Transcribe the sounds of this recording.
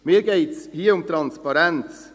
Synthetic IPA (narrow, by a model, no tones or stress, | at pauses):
miːɾɡeɪtshiːəɾʊmt̪ɾɑnspɑɾɛnt͡s